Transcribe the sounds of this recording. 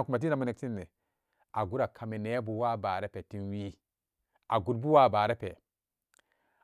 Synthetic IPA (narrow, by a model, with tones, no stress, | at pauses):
n˨ku˨ma˨t̬i˦na˨mu˦ne˨k̚si˦nːe˨ | a˨ɡu˦ɾa˨kʰa˨me˨ne˨˦bu˨wa˦˨ba˨ɾe˦pe˨ti˦nwi˦ | a˨ɡu˦dbu˦wa˦˨baː˨ɾe˦pe˨